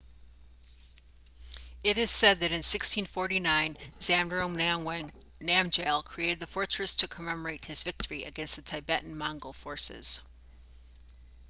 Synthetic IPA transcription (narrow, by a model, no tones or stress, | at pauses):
ɪɾɨz̥sɛd̪̚ðɨɾɨ̃nsɪkstʰĩnfɔɹɾinãɪ̃nzæ̃mdɹõʊ̃m | næ̃md͡ʒeɪlˠkʰɹ̥ieɪɾɨd̪̚ðɨfɔɹt͡ʃɹ̥ɨstʰɨkʰəmɛmə˞eɪt̚hɨzvɪk̚tʰə˞iʔɨɡɛ̃nst̪ðɨtʰaɪbɛʔn̩mɑ̃ŋɡl̩ˠfɔɹsɪ̰z̥